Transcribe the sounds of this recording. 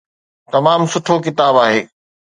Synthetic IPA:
t̪ɐmaːmsʊʈʰokɪt̪aːbaːɦeː

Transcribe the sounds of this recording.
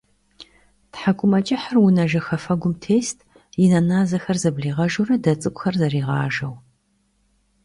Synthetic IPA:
tħakʷʰʼʊmɐt͡ʃʼɪħarwʊnɐʒɐxɐfɐɡʷʊmtʰeːstʰ | jɪnɐnaːzɐxɐrzɐbɮiːʁɐʒurɐdɐt͡sʼɨkʷʼxɐrzɐriːʁɑːʒɐw

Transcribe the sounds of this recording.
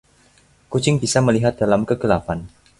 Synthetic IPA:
kut͡ʃɪŋbisaməliɦat̪̚d̥alamkəɡəlafan

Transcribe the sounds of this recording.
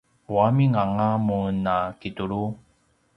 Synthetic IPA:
wamiŋaŋamunakituɭu

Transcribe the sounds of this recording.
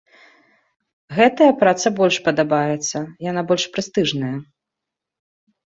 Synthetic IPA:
ɣɛt̪ɐjɐpɾat̪sɐbɔlʲʂpɐd̪abajɛt̪sːɐjanabɔlʲʂpɾɨst̪ɨʐnɐjɐ

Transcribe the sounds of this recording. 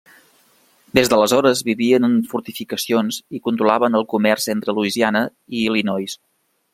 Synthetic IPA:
d̪ezðələzɔɾəzβiβiənənfuɾt̪ifikəsionzikunt̪ɾulaβənəlˠkumɛrzent̪ɾəluizianə | ilinɔjs

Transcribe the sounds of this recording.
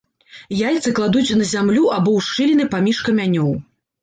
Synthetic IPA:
jajʲt̪sɨklˠad̪ut͡sʲnɐzʲamlʲuabɔwʂt͡ʂɨlʲinɨpamʲiʂkɐmʲanʲɔw

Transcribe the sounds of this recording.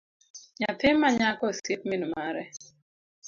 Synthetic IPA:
ɲat̪ɪmːaɲakɔsep̚mɪnumaɾɛ

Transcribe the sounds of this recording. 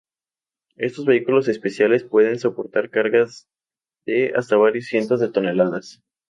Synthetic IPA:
e̞st̪o̞zβe̞ikulo̞se̞spe̞sjale̞spwe̞ðe̞nso̞po̞ɾt̪aɾkaɾɣaz | ðe̞a̰st̪aβ̞aɾjosːje̞nt̪ozðet̪o̞ne̞laðas

